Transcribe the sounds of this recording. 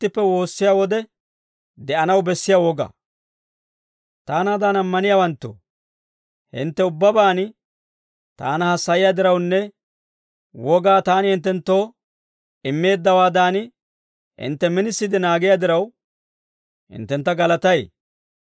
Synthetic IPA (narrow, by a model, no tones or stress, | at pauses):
t̪ːɪpːɛwo̞ːsːɪjaːwɔd̪ɛ | d̪ɛʔɐnɐwbɛsːɪjawɔɡɐ̰ː | t̪aːnaːd̪aːnɐmːɐnɪjaːwɐnt̪ːo̰ː | hɪ̰nt̪ːɛʊbːɐbaːn | t̪a̰ːnɐhɐsːɐjɪjad̪ɪɾɐwnːɛ | wʔɔɡaːt̪aːnɪhɪnt̪ːɛnt̪ːo̞ː | ɪmːe̞ːd̪ːɐwaːd̪aːnɪ | hɪ̰nt̪ːɛmɪnɪsːɪd̪ɪnaːɡɪjaːd̪ɪɾɐw | hɪ̰nt̪ːɛnt̪ːɐɡɐlɐt̪ɐj